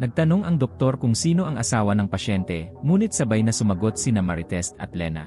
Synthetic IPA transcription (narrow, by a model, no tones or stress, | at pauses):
nɐɡ̚t̪ɐno̞ŋʔɐŋd̪ok̚t̪o̞ɾkʊŋsiːno̞ʔɐŋʔɐsaːwɐnɐŋpɐʃɛnt̪ɛmuːnɪt̪̚sɐbajnɐsʊmɐɡo̞t̪̚sɪnɐmɐɾɪt̪ɛst̪ɐ̰t̪̚lɛːnɐ̰